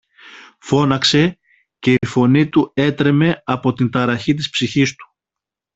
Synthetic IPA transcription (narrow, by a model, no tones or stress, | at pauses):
fo̞nɐkse̞ | ce̞ifo̞nit̪ue̞t̪ɾe̞me̞ɐpo̞t̪int̪ɐɾɐçit̪̬ispsiçist̪u̥